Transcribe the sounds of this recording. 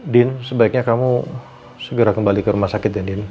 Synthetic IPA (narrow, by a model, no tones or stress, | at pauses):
dɪnsəbaɪk̚ɲakamu | səɡəɾakəmbalikəɾumahsakɪt̪̚dɛndɪn